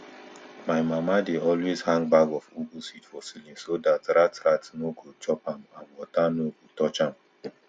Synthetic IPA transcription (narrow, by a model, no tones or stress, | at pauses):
maɪmamadeɔlwezhãŋɡbaɡɔfubusitfɔsilĩnsodatɾatɾatnoɡot͡ʃɔpãmãnwɔtanoɡotɔt͡ʃãm